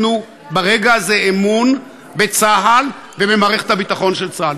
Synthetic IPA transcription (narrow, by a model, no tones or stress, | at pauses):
nu | baʁe̞ɡaazeemun | be̞t͡saɦal | vebemaːʁe̞χet̪habit̪aχo̞nʃelt͡saal